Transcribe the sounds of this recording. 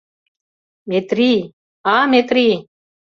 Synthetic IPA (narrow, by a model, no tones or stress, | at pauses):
met̪ɾi | amet̪ɾi